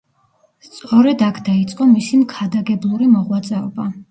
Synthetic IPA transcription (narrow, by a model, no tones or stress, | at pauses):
st̪sʼɔɾɛd̪akʰd̪ait̪sʼqʼɔmisimkʰad̪aɡɛblˠuɾimɔʁwat̪sʼɛɔba